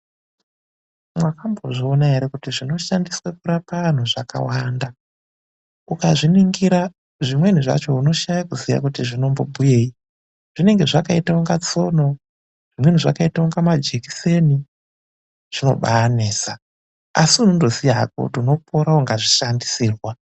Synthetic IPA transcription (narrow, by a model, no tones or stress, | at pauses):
mwakambo̞̰ʐiːnaeɾekutiʐino̞ʃandiswakuɾapaan̤uʐaka̰waːnda | ukaʐiniŋɡiɾa | ʐimwe̞niʐa̰t͡ʃo̞uno̞ʃajakuzija̰kutiʐino̞mbo̞bʱuje̞ːi | ʐ̥ine̞ŋɡe̞ʐakaitauŋɡat͡so̞no̞ | ʐ̥imwen̤iʐa̰kaitaoŋɡamad͡ʒeki̥se̞ni | ʐ̥ino̞̰ɓa̰ːneːsa | asiunundozijaa̰ko̰utuno̞pʰoɾauŋɡaʐiʃandisiːrwa